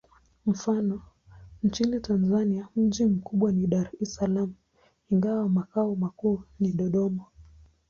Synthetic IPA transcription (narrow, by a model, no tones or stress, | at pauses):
m̩fanɔ | nt͡ʃinitanzaniam̩ʄim̩kuɓwaniɗaɾisalamu | iŋɡawamakaɔmakuːniɗɔɗɔma